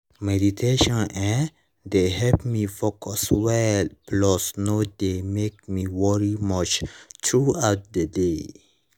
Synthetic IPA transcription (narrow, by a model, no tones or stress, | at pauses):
mɛditʰeʃɔ̃nɛ̃n | dehɛlpmifokʰɔswɛlplɔsnodemek̚miwɔɹimɔt͡ʃtʰɹuawt̚dəde